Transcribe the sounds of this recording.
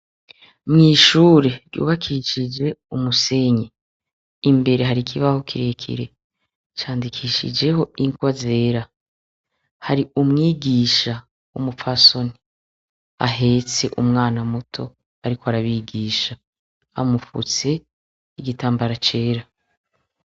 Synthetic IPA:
mŋiːʃuːɾe̞ɾjṵːβakʰiʃid͡ʒe̞umuse̞ɲe | imbe̞ɾe̞ɦaɾikʰiβaho̞kʰiɾe̞kʰḭɾe̞̰ | t͡ʃaːndikʰiʃḭd͡ʒe̞ho̞iŋɡwaze̞ːɾa | haɾiʔumŋiːɡiːʃa | umufaso̞ni | a̰ɦe̞t͡se̞ʔumŋaːnamutʰo̞ | aɾiko̞haɾaβiɡiːʃa | a̰mufṵt͡se̞ | iɡitaːmbaɾat͡ʃe̞ːɾa

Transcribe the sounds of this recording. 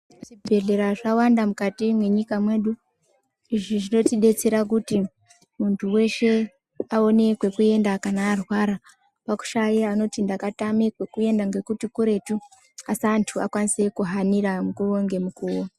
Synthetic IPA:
ʐibʱe̞ɮe̞ɾaʐawandamukatimwe̞ɲikamwe̞ːɗu | iʐiʐino̞tiɗe̞t͡se̞ɾak̬uti | muntʰuwe̞ʃe̞ | ao̞ne̞kwe̞kue̞ndakanaːrwaɾa | paku̥ʃajeano̞tindakatamekwe̞kue̞ndaŋɡe̞kutikuɾe̞tu | asantʰua̰kwanise̞kuɦaniɾamukuro̞ŋɡe̞mukuwa

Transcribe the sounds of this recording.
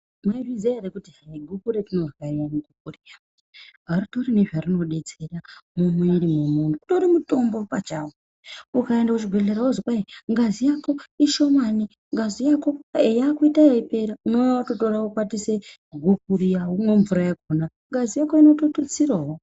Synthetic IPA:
mwevizeeɾekutiiɡʱukuɾetino̞rwaiamuɡʱukurija | ɦaɾitoɾiniʐarino̞ɗe̞t͡se̞ramumwindimumundukunoɾimuto̞mbopat͡ʃawo | ukaendakut͡ʃiɡʱweleɾaozokwaiŋɡazijako̞iʃo̞mani | ŋɡazijako̞ejakuitaeipe̞ɾaunoatoto̞raukwatise | ɡʱukuɾijaunoɱvuɾajakona | ŋɡazijako̞ino̞totot͡sirawo

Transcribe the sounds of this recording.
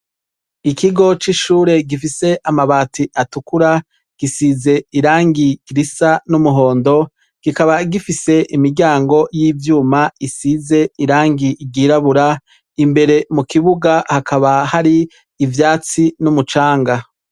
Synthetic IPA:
ikʰiɡo̞t͡ʃiʃuːɾe̞ɡifise̞ʔamaβaːtiʔatukuɾa | ɡ̥isiːze̞iɾaːŋɡiɡ̥iɾisanumuɦo̞ːndo̞ | ɡ̥ikaβaɡifise̞ʔimiɾɟaːŋɡo̞jiːvjuːmaisize̞iɾaːŋɡiɟiɾaβuɾa | imbe̞ɾe̞mukiβuɡahakʰaβahaɾiː | vjaːt͡sinumut͡ʃaːŋɡa

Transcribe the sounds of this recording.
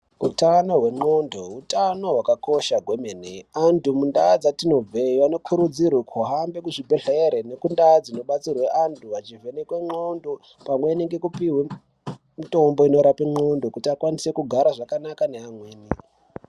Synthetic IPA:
ṵtano̞ɦwe̞ŋ͡ǃondoutano̞ɦwakako̞ʃaɡʱwe̞meneantʰumundad͡zatino̞vʱeiano̞kʰuɾud͡zirwekʰoɦambe̞kuʐibʱeɬeɾene̞kundad͡zino̞ɓat͡sirweʔantʰuat͡ʃive̞nekweŋ͡ǃondo | pamwe̞neŋɡe̞kupiɦwe | mito̞mbo̞ino̞ɾapeŋ͡ǃo̞ndokutiakwanise̞kuɡʱaɾaʐakanakaneamweːni

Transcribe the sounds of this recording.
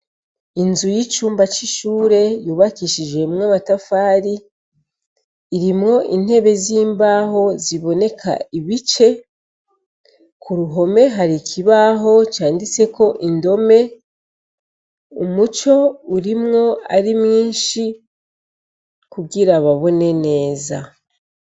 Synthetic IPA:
inzujit͡ʃuːmbat͡ʃiʃuːɾe̞juːβakiʃid͡ʒe̞mŋaβatafaːɾi | iɾimŋo̞ʔḭn̥he̞βe̞ziːmbaːɦo̞ziβo̞ne̞kʰa̰iβit͡ʃe̞ | kʰuɾuɦo̞me̞ɦaɾikʰiβaɦo̞t͡ʃaːndit͡se̞ko̞ʔindo̞me̞ | umut͡ʃo̞uɾimŋo̞a̰ɾimŋiːʃi | kuɡiɾaβaβo̞ne̞ne̞ːza̰

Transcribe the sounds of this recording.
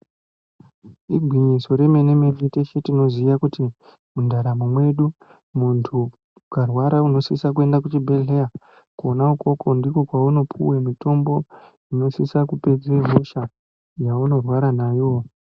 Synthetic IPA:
iɡʱwiɲiso̞ɾe̞me̞ne̞meviteʃetino̞zijakuti | mundaɾamumwe̞ɗu | muntʰu | karwaɾauno̞sisak̬ue̞ndakut͡ʃibʱe̞ɮeja | konauko̞ko̞ndiko̞kwauno̞pʰṵwemito̞mbo̞ | ino̞sisakupe̞d͡zeɦuʃa | jauno̞rwaɾanaːjo̞

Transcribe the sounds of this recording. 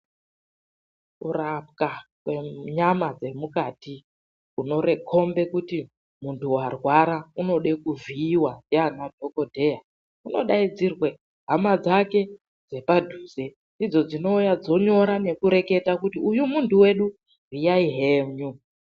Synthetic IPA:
kurap̚kakweɲamad͡ze̞mukati | uno̞ɾe̞kʰo̞mbe̞kuti | muntuwarwaɾauno̞ɗe̞kuviːwaneanadʰʱo̞ko̞dʱe̞ja | uno̞̰ɗaid͡zirwe | ɦamad͡zake̞ | d͡ze̞padʱuze̞ | ndid͡zo̞d͡zino̞ujad͡zo̞ɲo̞ɾane̞kuɾe̞ke̞takutiujumuntuwe̞ɗu | rijaiɦeɲu

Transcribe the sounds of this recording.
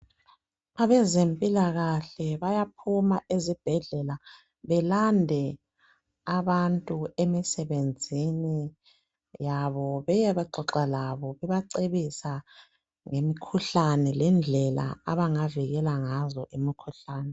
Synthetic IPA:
aβɛzempʼilaɣaɬɛβajap̚ʰumaʔezib̥ʱɛɮɛla | βɛlandʱɛ | aβantʼuemisɛβend͡zʱini | jaβɔβɛjɛβɛǃɔǁalaβɔβɛβaǀeβisa | ŋemikʰuɬanɛlɛnd͡ɮʱɛla̰aβaŋaviɣɛlaŋazɔʔimikʰuɬaːnɛ

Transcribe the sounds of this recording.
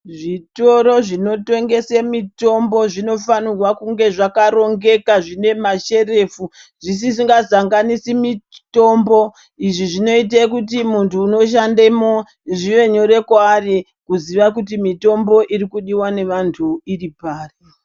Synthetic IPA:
ʐito̞ɾo̞ʐino̞to̞ŋɡe̞semito̞mbo̞ʐino̞fanirwakuŋɡe̞ʐakaɾo̞ŋɡe̞kaʐine̞maʃe̞re̞fu | ʐis̬isiŋɡazaŋɡanisimito̞mbo | iʐiʐino̞it̬akut̬imuntʰuːno̞ʃ̬andemo | ʐiʋe̞ɲoɾe̞kwaːri | kuziʋak̬utimito̞mbo̞ʔirikuɗiwane̞ʋantʰuiripaːre

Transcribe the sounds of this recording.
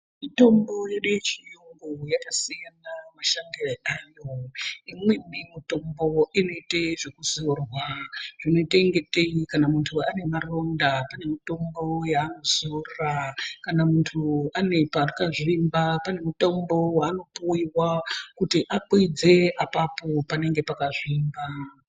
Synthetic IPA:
mito̞mbo̞jeɗujet͡ʃijuŋɡojakasijanamaʃandieajo̞imwemimito̞mbo̞ino̞iteʐekuzorwaʐ̥ino̞iteŋɡe̞teikanamuntʰuane̞maro̞ndapane̞mito̞mbo̞jaːno̞z̥orrakanamuntʰuane̞parkaʐimbapane̞mito̞mbo̞waːno̞puiwakutiʔakwid͡ze̞ʔapapopane̞ŋɡe̞pakaʐiːmba

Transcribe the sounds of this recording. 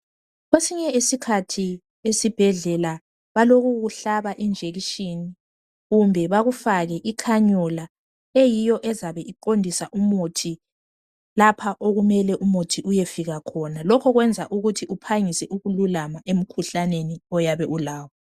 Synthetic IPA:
ɣwesiɲɛisikʰatʰi | esib̥ʱɛɮɛla | βaloɣuɣuɬaβaʔind͡ʒʱeɣiʃini | ɣumbʱɛβaɣufaɣɛʔikʰaɲɔla | ejijɔʔɛzaβɛʔiǃondʱisaʔumotʰi | lapʰaʔoɣumɛlɛʔumotʰiʔujefiɣakʰɔnalɔkʰɔɣwɛnd͡zʱa̰ʔuɣutʰiʔupʰaŋisɛʔuɣululamaʔem̩kʰuɬaneniɔjaβɛʔulaːwɔ

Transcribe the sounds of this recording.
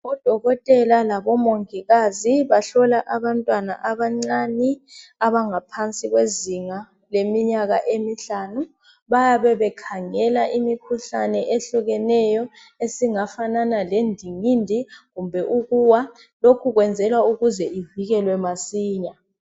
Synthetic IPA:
ɔd̥ʱɔɣɔtʼɛlalaβɔmoŋiɣaziβaɬɔlaʔaβantʼwana̰ʔaβaŋ͡ǀaniaβaŋapʰant͡sʼiɣ̬weziŋa | lemiɲaɣa̰ʔemiɬaːnu | βajaβɛβɛkʰaŋɛlaʔimikʰuɬanɛʔeɬuɣɛnɛjɔ | esiŋafananalendʱiŋindʱiɣumbʱɛʔuɣuwa | lokʰuɣwɛnd͡zʱɛlwauɣuzɛʔiviɣɛlwɛmasiːɲa

